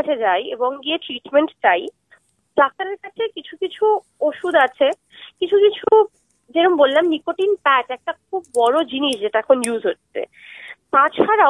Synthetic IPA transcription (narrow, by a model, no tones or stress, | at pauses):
at͡ɕʰed͡ʑajeboŋɡieʈɾiʈmeɳʈt̪aj | ɖak̚t̪aɾeɾkat͡ɕʰekit͡ɕʰukit͡ɕʰu | oʃud̪at͡ɕʰe | kit͡ɕʰukit͡ɕʰu | d͡ʑeɾombollamnikoʈinpɛʈɛk̚ʈakʰubːɔɾod͡ʑiniʃd͡ʑeʈaɛkʰonjuzɦotːḛ | t̪ãt͡ɕʰaɾa